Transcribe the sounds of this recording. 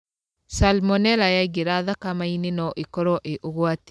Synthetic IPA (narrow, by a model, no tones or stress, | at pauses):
salmɔnɛɾajaiɡeɾaðakamainenɔʔikɔɾɔʔeʔoɣwat